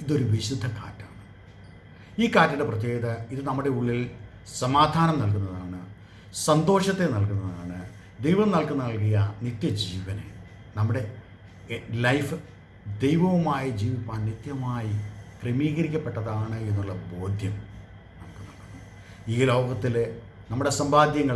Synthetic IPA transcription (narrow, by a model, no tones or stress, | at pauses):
iðo̞ɾuʋiɕud̪ʱːɐka̰ːtːa̰ːɳɨ | iːkaːtːiɽeprɐt̪̬jeːɡɐðɐiðɨnɐmːuɽe̞uɭːil | sɐmaːd̪ʱaːnɐmnɐlkunːɐðaːɳɨ | sɐnd̪o̞ːʂɐt̪ːenɐlkunːɐɐðaːɳɨ | d̪ejʋɐmnɐlkunːɐnɐlkijɐnit̪jɐd͡ʑiːʋɐnḛ | nɐmːuɽe̞ | lɐjfɨ | d̪e̞jʋɐʋumaːjid͡ʑiːʋipːaːnnit̪jɐmaːjikremiːɣɐɾikʲːɐpːeʈːɐðaːɳɨe̞nːuɭːɐbo̞ːd̪ʱjɐm | nɐmukːɨnːɐlkunːɐ | iːlo̞ːɡɐt̪ːil | nɐmːuɽe̞sɐmbaːd̪jɐŋːɐ